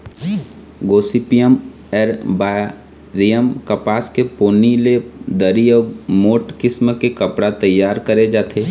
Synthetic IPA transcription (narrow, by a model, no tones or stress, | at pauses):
ɡoːsipijəm | ɛɾba | ɾijəmkɐpaːskepoːniled̪əɾiɔːmoːʈkɪsməkekɐpɽat̪ɐjːaːɾkəɾed͡ʒaːt̪ʰeː